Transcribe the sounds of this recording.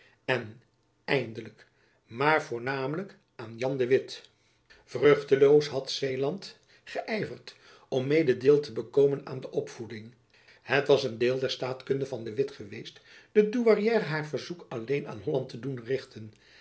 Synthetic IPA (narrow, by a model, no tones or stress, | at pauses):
ɛn | ɛjndələk | maːɹvʊːɹnaːmələk | ʔaːnjɑndəʋɪt | v̥røχtəlowsɦɑtsejlɑnt | χəʔɛjvəɹt | ɔmːejdədeːlˠtəbəkoːməna̰ːndəʔɔpfudɪŋ | hətʋɑsəndeːlˠdɛɹstaːtkɵndəvɑndəʋɪtχəʋejstd̥ədyʋarijɛːɾɦaːɹvəɹzukɑlejna̰ːnɦɔlɑntədunrɪχtʰən